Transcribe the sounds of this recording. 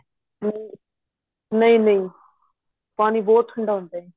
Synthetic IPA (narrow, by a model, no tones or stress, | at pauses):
nĩ | nəĩːnəĩ | paːniːboːt̪ʰəɳɖaːɦõnd̪aːɦɛ̃ː